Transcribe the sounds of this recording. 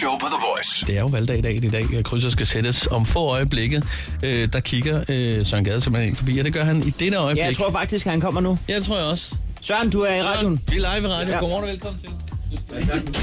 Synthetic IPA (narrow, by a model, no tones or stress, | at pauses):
opʰəðəvɔɪsd̥e̝æɐjo̝ʋæld̥ɛ̰ɪdɛ̰ːɪn̩id̥ɛ̰ːkʰʁys̬ɐsɡ̥æsed̥əsɒ̽mfɔ̰̽ɒ̽ɪəb̥leɡ̥ð̩ˠ | ød̥ɑ̈kʰiɡ̥ɐøsɶɐnɡ̥ɛðˠsemlhenḛnfɒ̽bḭːɒd̥e̝ɡ̥ɶɐɦænid̥eɾəɒ̽ɪbleeɡt͡sʰʁo̝ɐ̰fɑ̈ɡ̥̚d̥isɡ̥hænkʰɒ̽m̰ɐnujæd̥e̝t͡sʰʁo̝ɐjɑɒ̽ssɶɐnd̥uæɐiʁɑjonʋilɑ̈ɪʋiʁɑ̈djo̥o̰ːmɒ̰ːnɒʋelkʰɒ̽mn̩t͡sʰe̝l